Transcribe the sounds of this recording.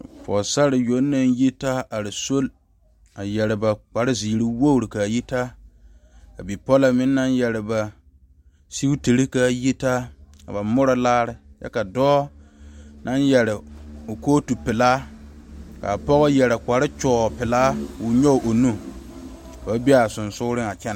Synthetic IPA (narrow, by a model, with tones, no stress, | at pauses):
fɔ̰˨sa˦ɾɪ˨jo˦nːa˦nji˦ta˦a˨ɾɪ˨so˦l | a˨jɛ˨ɾɪ˨ba˨k͡pa˨ɾɪ˦ziː˨ɾi˦wo˦˨ɾɪ˨ka˨ji˦ta˦ | ka̰˨bi˨pɔ˦la˨mɪ˦nːa˦njɛ˨ɾɪ˨ba˨ | si˦u˦te˨ɾi˦ka˦ji˦ta˦a̰˨ba˨mʊ˦ɾɔ˦laː˦ɾɪ˨ja̰˦ka˨dɔː˦ | na˦njɛ˨ɾɪ˨o˨koː˦tu˨pɪ˨laː˦ | ka̰˨pɔ˦ɣɔ˦jɛ˨ɾɪ˨kʷa˨ɾɪ˦t͡ʃɔː˨pɪ˨laː˦wʊ˨ɲɔ˦˨ʔo˨nu˦ | ka˨ba˦bi˦a˨sʊ˨nsʊ˦ɾɪ˦ŋa˨t͡ʃɛ˦n˨